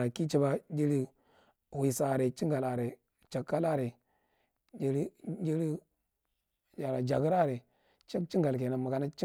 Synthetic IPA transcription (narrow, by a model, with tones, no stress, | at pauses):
ɾa˨ki˦t͡ʃi˦ba˦d͡ʒi˦ɾi˦ | wi˨sa˨ɾe˨t͡ʃi˦ŋɡa˨la˨ɾe˨ | t͡ʃa˨kːa˦la˦ɾe˨ | d͡ʒe˦ɾi˦d͡ʒi˦ɾi˦ | d͡ʒa˨ɾa˨d͡ʒa˨ɡi˦ɾa˦˨ɾe˨ | t͡ʃe˦kt͡ʃi˦ŋɡa˨lk̬e˨na˨mu˨ɡa˨na˦t͡ʃi˦